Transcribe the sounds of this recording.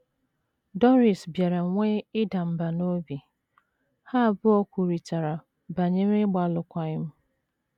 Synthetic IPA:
dɔ˦ɾi˨sbje˨ɾe˨ŋʷe˦ɪ˦da˨m̩˨ba˨no˦bi˨ | ha˦˨bʊ˦ɔ˦kʷu˨ɾi˨ta˨ɾa˨ | ba˨ɲe˦ɾɪ˦ɡ͡ba˨lʊ˨kʷa˨ɪ˦m̩˦

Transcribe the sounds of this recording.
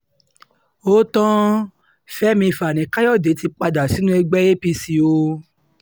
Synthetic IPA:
o˦tɔ̃˦ | fɛ˦mĩ˧˨fa˨nĩ˨˦ka˦jɔ˦˨de˨˦ti˧k͡pa˧da˨si˨˦nũ˦ɛ˧ɡ͡bɛ˦e˦pi˧si˧o˧

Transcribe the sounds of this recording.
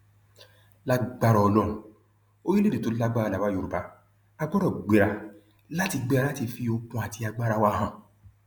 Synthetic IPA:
la˦ɡ͡ba˦ɾɔ˨˧lɔ̃˦˨ | o˦ji˦le˦de˨to˨˦la˦ɡ͡ba˦ɾa˧la˨wa˦jo˧˨ɾu˨ba˨˦ | a˧ɡ͡bɔ˦ɾɔ˦˨ɡ͡be˨ɾa˧ | la˦ti˧ɡ͡be˧ɾa˧la˦ti˧˨fi˧o˧kũ˧a˨ti˧a˧ɡ͡ba˦ɾa˧wa˧ɦã˨

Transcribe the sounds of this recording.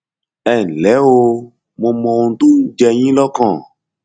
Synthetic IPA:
ɛ˨lɛ˨˦o˧ | mõ˧mɔ̃˧wũ˧˦t̪ũ˦d͡ʒɛ˧ɲĩ˦lɔ˦kã˦˨

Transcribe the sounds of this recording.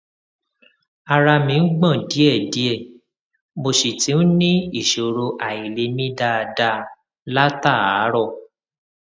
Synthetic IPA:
a˧ɾa˧mĩ˧˦ɡ͡bã˦˨di˨˦ɛ˦˨di˨˦ɛ˦˨ | mo˨ʃi˨ti˨˦n̩˦nĩ˦i˦˨ʃo˨ɾo˧ʔa˨i˨le˧˦mĩ˦da˦˨˧da˧ | la˦ta˦˨a˨˦ɾɔ˦˨

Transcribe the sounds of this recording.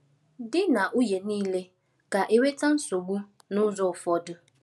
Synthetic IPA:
dɪ˦na˨ʔu˦je˨niː˦le˦ | ka˨ʔe˦we˦ta˦n̩˦so˨ɡ͡bu˦ | nʊ˦zɔ˦˨fɔ˦dʊ˦

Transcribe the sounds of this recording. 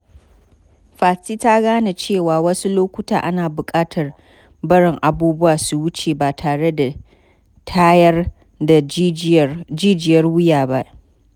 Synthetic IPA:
ɸaː˨si˦ta˦ɡaː˦na˨t͡ʃeː˦˨waː˨wɐ˦su˦loː˦kʷʊ˦taː˨ʔa˦naː˨bʊ˨kʼaː˦tʰɐ˨r | bɐ˦ɽɪ˨ŋʔa˨buː˦bʊ˦waː˨su˨wʊ˦t͡ʃeː˨baː˨tʰaː˨ɽe˦da˨ | tʰaː˦jɐ˦r | da˨ | d͡ʒiː˦d͡ʒɪ˨jɐ˦rwʊ˦jaː˨ba˦ʔ

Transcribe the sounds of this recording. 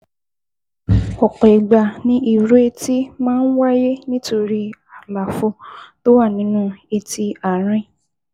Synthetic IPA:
ɔ˨k͡pɛ˨ɡ͡ba˨nĩ˦i˦˧ɾe˦ti˦mãː˦n̩˦wa˦je˦nĩ˦to˧ɾi˧a˨la˨fo˧˨to˦wa˦˨nĩ˨˦nũ˦e˧ti˧a˨ɾ̃ĩ˦

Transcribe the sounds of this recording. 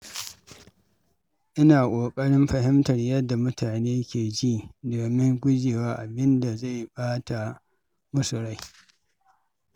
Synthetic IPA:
ʔɪ˦naː˨kʷʼoː˨kʼɐ˦ɽɪ˦mɸɐ˨hɪ˦mtɐ˨rjɐ˦dːa˨mʊ˦tʰaː˨neː˦kʲeː˨d͡ʒi˦doː˨mɪ˦ŋɡʷʊ˦d͡ʒeː˨waː˦ʔa˨bɪ˦nda˨za˦˨jɓaː˦ta˨ | mʊ˦sʊ˨ɾa˦j

